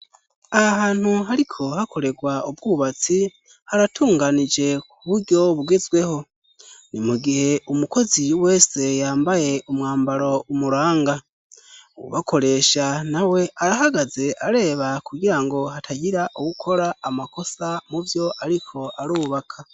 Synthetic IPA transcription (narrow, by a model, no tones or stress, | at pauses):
ahaːn̥huɦaɾikʰo̞hakʰo̞ɾe̞ɡwaubɡuːβat͡si | haɾatʰuːŋɡanid͡ʒe̞kʰuβuɾɟo̞βuɡe̞zɡwe̞ho̞ | nimuɡihe̞umuko̞ziwe̞ːse̞jaːmbaje̞ʔumŋaːmbaɾo̞umuɾaːŋɡa | ṵβakʰo̞ɾe̞ːʃanawe̞ʔaɾaɦaɡaze̞ʔaɾe̞ːβakuɡiɾaŋɡo̞hatʰaɟiɾaʔuwukʰo̞ɾaːmako̞samuvjo̞ʔaɾikʰo̞ʔaɾuβakʰa